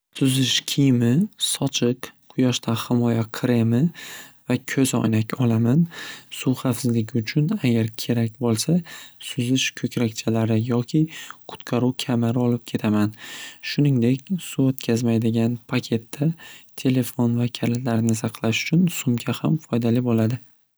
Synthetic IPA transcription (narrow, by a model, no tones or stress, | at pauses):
sʊzɪʃkʲʰijmɪsɒt͡ʃʰɨqqʰʊjɒʃt̪ʰahɪmɒjaqʰɾe̞mɪvakʲʰɵzɒ̰jnakʲɒlˠamansuχafsɪzlɪɡʲɪʊt͡ʃʰʊnaɡʲaɾkʲʰe̞ɾakʲbolˠsasʊzɪʃkʲʰɵkʲɾakʲt͡ʃʰalaɾɪjɒkʲʰɪqʰʊ̥t̪qʰɑɾuwkʲʰamaɾɪɒlˠɪp̚kʲʰe̞t̪ʰamanʃʊnɪŋd̪e̞kʲsuot̪kʲʰazmajd̪ɪɡʲanpʰakʲʰe̞t̪ːat̪ʰe̞le̞fo̞nvakʲʰalalaɾnɪsɑqʰlˠaʃʊ̥t͡ʃʰʊnsʊmɡʲʰahamfɒjd̪alibolad̪ɪ